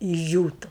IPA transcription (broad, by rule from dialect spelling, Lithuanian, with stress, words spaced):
ɪʒʲˈd͡ʒʲuːtʊ